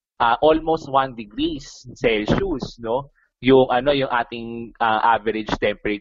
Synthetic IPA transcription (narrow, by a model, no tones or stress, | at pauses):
ʔɐʔolmost̪̚wand̪ɪɡɾisːɛlʃusno̞ | jʊŋʔɐno̞jʊŋʔaːt̪ɪŋʔɐʔavɛɾɪd͡ʒt̪ɛmpɛɾɐ